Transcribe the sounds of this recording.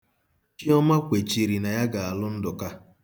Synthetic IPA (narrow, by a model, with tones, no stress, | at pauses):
ki˦ɔ˦ma˦kʷe˨t͡ʃi˨ɾi˨na˨ja˦ɡa˨a˨lʊ˦n̩˦dʊ˨ka˦